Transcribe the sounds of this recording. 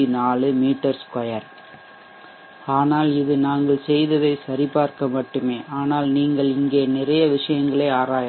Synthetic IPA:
inaːɭɯmiːʈːɐɾskɐjɐɾ | aːnaːlɪðɯnaːŋɡɐɭsɛjðɐðɐɪsɐɾɪpaːɾkɐmɐʈːɯmeːʔaːnaːlniːŋɡɐɭɪŋɡeːnɪrɐjɐʋɪʂɐjɐŋɡɐɭeːaːɾaːj

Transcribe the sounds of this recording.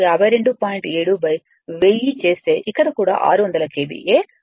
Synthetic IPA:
jaːbʱɐjɾeɳɖupaːjiɳʈeːɽubɐj | ʋejːit͡ʃe̞ːst̪e̞ːʔikːɐɽɐkuːɽa̰ːʔa̰ːɾuʋɐnd̪ɐlɐkeːbḭʔeː

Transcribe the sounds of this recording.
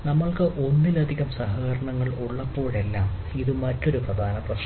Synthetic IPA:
nɐmːɐɭkɨʔo̞nːilɐd̪ʱiɣɐmsɐɦɐɡɣɐɾɐɳɐŋːɐɭuɭːɐpːo̞ːɻe̞lːaːm | iðɨmɐtːo̞ɾuprɐd̪ʱaːnɐprɐʂ

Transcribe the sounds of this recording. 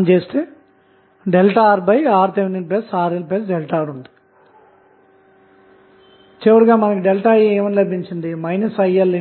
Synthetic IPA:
nt͡ʃeːst̪eː | ɖelʈaːɾbɐjaːɾt̪eʋinilpeːsaːɾilpeːsɖelʈaːɾund̪i̥ | t͡ʃɛːʋɐɽuɡaːmɐnɐkiɖelʈaːjeːʋɐnilɐbiɲt͡ʃind̪imɐjnɐsɐjɐlːi

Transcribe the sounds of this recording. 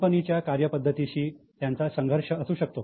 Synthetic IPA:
pənit͡ɕjakaɾjəpəd̪ʱːət̪iɕiːt̪jant͡sasəŋɡʱəɾʂəəsuːɕək̚t̪o

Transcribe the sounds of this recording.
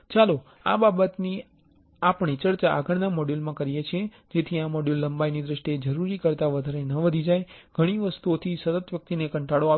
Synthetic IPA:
t͡ʃalo | a̰babət̪ni | apɳ̃it͡ʃəɽt͡ʃaʔːɡəɽnamɔɖjulmãkəɾijet͡ʃʰe | d͡ʒet̪ʰiamɔɖjulːəmbajnid̪ɾəʃʈied͡ʒəɾuɾikəɾt̪aʋəd̪ʱaɾenəʋəd̪ʱid͡ʒajɡ̥ʱəɽ̃iʋəst̪uot̪ʰisət̪ət̪ʋjək̚t̪inekəɳʈaɽoa

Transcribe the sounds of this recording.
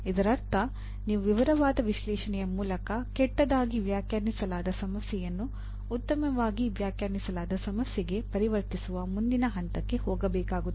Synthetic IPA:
id̪ɐɾɐɾt̪ɐ | niːʋuʋiʋɐɾɐʋaːd̪ɐʋiʃlɛːʂɐɳɛjɐmuːlɐkɐkɛʈːɐd̪aːɡiʋjaːkjaːɾnisɐlaːd̪ɐsɐmɐsjɛjɐnːuː | t̪ːɐmɐʋaːɡiʋjaːkjaːɾnisɐlaːd̪ɐsɐmɐsjɛɡe̞pɐɾiʋɐɾt̪isuʋɐmund̪inɐɦɐnt̪ɐkːe̞hɔːɡɐbɛːkaːɡut̪ː

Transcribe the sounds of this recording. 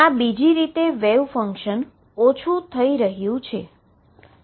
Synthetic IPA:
abid͡ʒiɾit̪eʋeʋfəŋkʃən | ot͡ʃʰut̪ʰəiɾəɦjũt͡ʃʰe

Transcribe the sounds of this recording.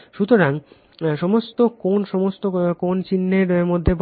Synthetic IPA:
ʃut̪oɾaŋ | ʃɔmost̪okonʃɔmost̪okont͡ɕinːeɾmod̪ʱːeb

